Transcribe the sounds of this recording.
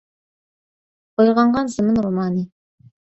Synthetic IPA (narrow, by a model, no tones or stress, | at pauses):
ojʁɑɴʁɑnzəmənɾomɑnə